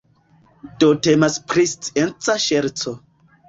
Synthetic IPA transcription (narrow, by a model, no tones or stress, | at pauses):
dotemaspɾistent͡saʃeɾt͡so